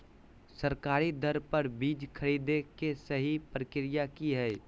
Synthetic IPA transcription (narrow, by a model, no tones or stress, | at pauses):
səɾkaːɾid̪ʱəɾpəɾbiːd͡ʒkʰəɾiːd̪ekesəɦipɾəkɪɾijakiɦɛː